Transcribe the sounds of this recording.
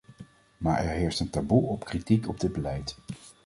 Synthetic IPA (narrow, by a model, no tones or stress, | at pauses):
maːɹʔɛ̰ɹɦɪːɹstəntabuɔpkritikɔb̚dɪd̚bəlɛjt